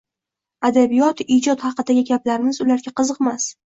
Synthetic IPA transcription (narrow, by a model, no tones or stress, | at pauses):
ad̪abijɒt̪id͡ʒɒt̪hɑqɨd̪aɡʲɪɡʲaplaɾɪmɪzʊlaɾɡʲaqʰɨzɨqmas